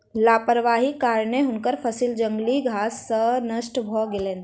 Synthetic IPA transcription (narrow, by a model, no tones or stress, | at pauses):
laːpəɾʋaːɦikaːɾneɦʊnkəɾpʰəsild͡ʒə̃ŋɡliɡʱaːsːənəʃʈbʱɔːɡɪleːn